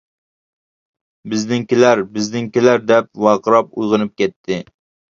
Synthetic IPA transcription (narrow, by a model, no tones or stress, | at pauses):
bɪznɪŋkʲilæɾbɪznɪŋkʲilæɾd̪ɛp̚wɑːqəɾɑp̚ujʁɨnɨp̚kʲɛt̪ʰːɪ